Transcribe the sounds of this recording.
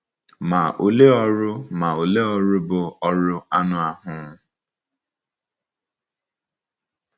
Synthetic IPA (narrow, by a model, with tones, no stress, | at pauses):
ma˨ʔo˨le˦ɔ˦ɾʊ˦ma˨o˨le˦ɔ˦ɾʊ˦bʊ˨ɔ˦ɾʊ˦a˦nʊ˦a˨ɦʊ˦